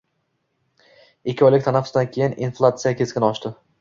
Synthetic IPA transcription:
ɪkʲʰːɪɒjlɪk̚ʲt̪ʰanafʊsd̪ankʲʰe̞jɪninflˠat̪sɨjakʲʰeskʲɪnɒʃt̪ɪ

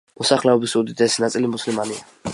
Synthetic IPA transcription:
mɔsaχlɛɔbisud̪id̪ɛsnat̪sʼilimuslimania

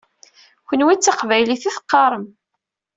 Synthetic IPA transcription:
kənwit͡sːɑqvæjliθiθə̥qːɑɾˤəm

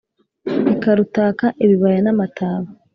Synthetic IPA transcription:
ekaɾutaːkaʔeβiβajanamataːβa

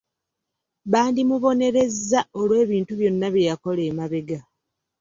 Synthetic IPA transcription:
βaːndimuβo̞ne̞ɾe̞zːao̞lwe̞ːβiːntuβjo̞nːaβjejako̞le̞ːmaβeɡa

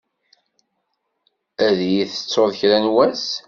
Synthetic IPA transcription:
æðjiθə̥t͡sːoðˤçɾænwæs

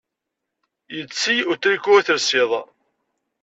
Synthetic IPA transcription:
jət͡sːiʊt̪ːɾikːuθəɾsɪðˤ

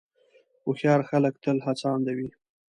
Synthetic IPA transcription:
ʊxjɑɾxalək̚t̪əlhat͡sɑnd̪awi

